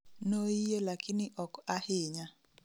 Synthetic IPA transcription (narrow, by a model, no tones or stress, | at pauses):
noijelakɪnɪʔɔkahɪɲa